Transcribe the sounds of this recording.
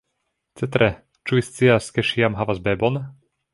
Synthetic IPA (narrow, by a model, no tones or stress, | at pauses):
t͡sɛt̪ɾɛ | t͡ʃuist͡siaskɛʃiamɦavazbɛːbɔn